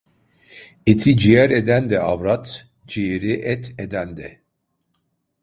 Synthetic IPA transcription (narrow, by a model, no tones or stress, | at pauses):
it̪ʰid͡ʒijɛɾɛd̪ænd̪ɛavɾat̪ | d͡ʒijeɾiʔɛt̪ʰɛd̪ænd̪ɛ